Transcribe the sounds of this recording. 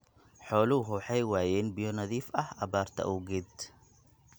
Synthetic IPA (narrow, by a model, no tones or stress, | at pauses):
ħɔːlʊʊɦʊħɑjwaːjɛːnbɪjɔnɐðiːfɐhʔɐβaːrt̪ʰɐ̰ʔuːɡɛd̪